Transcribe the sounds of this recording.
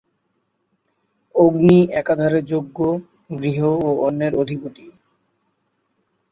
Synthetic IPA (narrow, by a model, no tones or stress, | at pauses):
oɡniɛkad̪ʱaɾed͡ʑoɡːo | ɡɾiɦoːɔnːeɾod̪ʱipot̪i